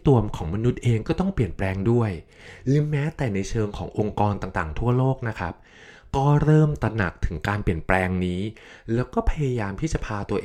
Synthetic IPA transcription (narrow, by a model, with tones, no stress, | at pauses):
t̪u˨˩əmkʰɔː˩˦ŋma˧nu˦˥t̪̚ʔeː˧ŋkɔː˥˩t̪ɔ˥˩ŋpli˨˩ənplɛː˧ŋdu˥˩əj | ɾɯː˩˦mɛː˦˥t̪ɛː˨˩na˧jt͡ɕʰɤː˧ŋkʰɔː˩˦ŋʔo˧ŋkɔː˧nt̪aː˨˩ŋt̪aː˨˩ŋt̪ʰu˥˩ɐloː˥˩k̚na˦˥kʰɾa˦˥p̚ | kɔː˥˩ɾɤː˥˩mt̪a˧na˨˩k̚t̪ʰɯ˨˩˦ŋkaː˧npi˨˩ənplɛː˧ŋniː˦˥ | lɛː˦˥wkɔː˥˩pʰa˧ja˧jaː˧mt̪ʰiː˥˩t͡ɕa˨˩pʰaː˧t̪u˧ɐʔː